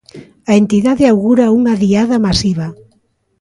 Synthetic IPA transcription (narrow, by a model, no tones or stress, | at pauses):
aent̪iðaðɪawɣuɾauŋaðiaðamasiβ̞ɐ